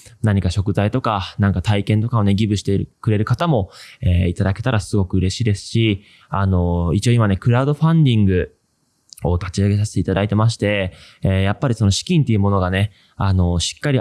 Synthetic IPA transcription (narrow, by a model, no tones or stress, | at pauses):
naɲ̟ikaɕo̞kɯ̟zait̪o̞kanãŋkat̪aikẽ̞nt̪o̞kaone̞ɡʲibɯ̟ɕi̥t̪e̞ɾkɯ̟ɾe̞ɾɯ̟kat̪amo̞eːit̪ad̪ake̞t̪aɾasɨɡo̞kɯ̟ɯ̟ɾe̞ɕiːd̪e̞sɨ̥ɕi | ano̞it͡ɕio̞ːimane̞kɯ̟ɾaɯ̟d̪o̞ɸãnd̪ʲĩŋɡɯ̟ | o̞t̪at͡ɕiaɡe̞s̬aɕe̥t̪e̞it̪ad̪ait̪e̞maɕ̬i̥t̪e̞ː | japːaɾʲisono̞ɕi̥kʲĩnt̪ːe̞iɯ̟mo̞no̞ɡane̞ | ano̞ɕi̥kːaɾʲi